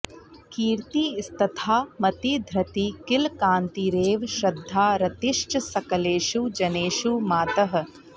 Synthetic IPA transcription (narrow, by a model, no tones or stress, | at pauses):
kiːɾt̪iːst̪ɐt̪ʰaːmɐt̪id̪ʱɾɐt̪ikɪlkaːnt̪iɾeːʋʃɾɐd̪ʱːaːɾɐt̪iʃt͡ʃɐsɐkɐleːʃud͡ʒɐneːʃumaːt̪ɐɦɐ̆